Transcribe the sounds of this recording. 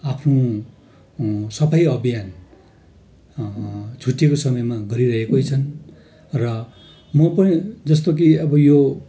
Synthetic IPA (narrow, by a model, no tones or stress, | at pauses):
apʰno | sʌpʰajʌbijan | t͡sʰuʈːekosʌmʌjmaɡʌɾiɾʌɦekojt͡sʰʌn | rʌ | mʌpʌnĩd͡zʌst̪okiʌbʌjo